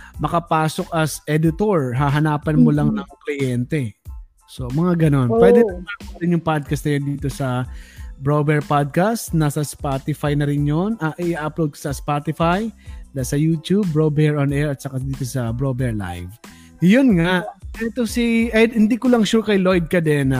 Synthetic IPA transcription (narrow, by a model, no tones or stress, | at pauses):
mɐkɐpaːso̞kɐsʔɛd̪ɪt̪oɹɦaɦɐnaːpɐnmolɐŋnɐŋklɪjɛnt̪ɛ | so̞mɐŋaɡɐno̞npwɛd̪ɛɐmapoɾɪnjʊŋpad̪̚kɐst̪nɐjond̪iːt̪o̞sɐ | bɹobɛɹpad̪̚kast̪naːsɐspat̪ɪfajnɐɾɪnjonɐʔʔɪʔaːplowd̪̚ko̥sɐspat̪ɪfajd̪asɐjut̪jubːɹobɛɹɐnʔɛɹɐt̪̚sɐkad̪iːt̪osɐbɹobɛɹla̰jv | jʊnŋaʔɛt̪osiʔɛhɪnd̪ikʊlɐŋʃʊkɐjlojd̪̚kɐd̪ɛn